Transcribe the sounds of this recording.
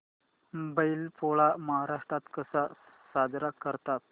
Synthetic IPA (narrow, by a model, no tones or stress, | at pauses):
mubəilpoɭaməɦaɾaʂʈɾat̪kəsa | sad̪ɾakəɾt̪at̪̚